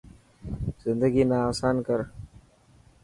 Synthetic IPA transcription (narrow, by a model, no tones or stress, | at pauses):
z̥ɪnd̪aɡinasankəɾ